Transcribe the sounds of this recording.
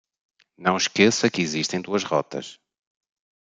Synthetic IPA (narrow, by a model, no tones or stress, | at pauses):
nɐ̃w̃ʃkesɐkiziʃt̪ẽj̃d̪uɐʃʁɔ̰t̪ɐ̰ʃ